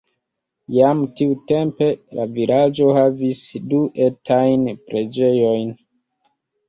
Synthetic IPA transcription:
jamtiute̞mpe̞lavilad͡ʒo̞havisduʔe̞tʰajnpɾe̞d͡ʒe̞jo̞jn

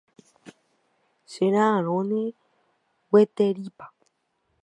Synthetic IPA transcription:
ʃeɾ̃ãːɾõnẽ | wet̪eɾipḁ

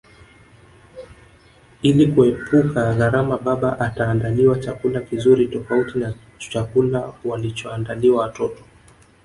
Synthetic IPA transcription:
ilikuɛpukaɣaɾamaɓaɓaʔataːndaliwat͡ʃakulakizuɾitɔfautina | t͡ʃakulawalit͡ʃɔandaliwawatɔtɔ̥

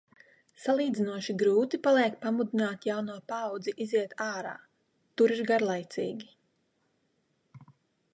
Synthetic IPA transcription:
salˠiːd̪zinuɔʃiɡɾuːt̪ipalˠɛɛkpamud̪inaːt̪jawnuɔpawd̪ziʔiziɛt̪ʰaːɾa̰ː | t̪uɾiɾɡaɾlˠajt̪sḭːɡʲi

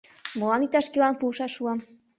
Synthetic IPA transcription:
mɤ̆lɑnit̪ɑʃkilˠɑnpuʃɑʃuɑm

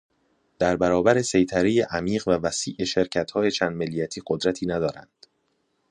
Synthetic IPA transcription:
d̪̥æɾbæɾɒːbæɾe̞se̞jt̪ʰæɾejeʔæmiːɢvævæsiːʔeʃe̞ɾcʰæt̪hɒːje̞t͡ʃʰæːnd̪̚melːijæt̪ʰiːɢod̪ɾæt̪ʰiːnæd̪ɒːɾæ̰nd̪̥

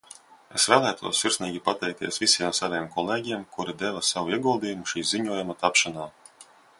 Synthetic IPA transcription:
esvæːlˠæːjt̪ʰuɔsːiɾsniːɡʲipat̪ɛjk̚t̪iɛsvʲisijɛmsaɾɛjɛmkɔlˠeːɡʲiɛmkuɾid̪ɛvasavuiɛɡulˠd̪iːjumuʃiːziɲuɔjumat̪apʃanaː

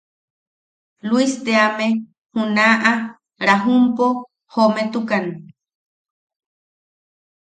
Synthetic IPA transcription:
lwist̪eame | hunaʔa | ɾaɦumpo | homet̪ukan

